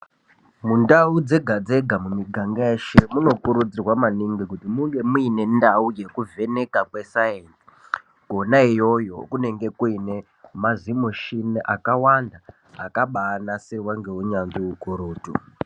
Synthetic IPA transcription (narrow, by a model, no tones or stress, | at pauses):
mundaud͡ze̞ɡʱad͡ze̞ɡʱamumiɡʱaŋɡaeʃemuno̞kuɾud͡zirwamaniŋɡikutimuŋɡe̞muine̞ndauje̞kuve̞ne̞kakwe̞sajensi̥ | ko̞naijo̞jo̞̰kune̞ŋɡe̞kuine̞ | mazimoʃinʔakawanda | akaɓaːnasewaŋɡe̞uɲanʐiukuɾuːtu